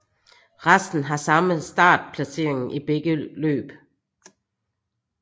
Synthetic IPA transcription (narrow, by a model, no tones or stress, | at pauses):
ʁasd̥n̩ɦɑ̈sɑ̈məsd̥ɑ̰̈ːd̥pʰlæse̝̰ːɐeŋn̩ʔib̥eɡ̥əlø̰ːb̥